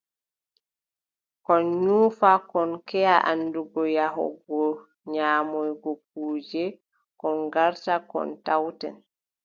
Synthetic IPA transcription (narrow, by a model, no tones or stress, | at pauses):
kɔnɲuːfakɔnkɛjaʔanːduɡɔjaɦɔ̰ɡɔ | ɲaːmɔjɡɔk̚uːd͡ʒɛ | kɔnɡaɾtakɔ̰ntawtɛ̰n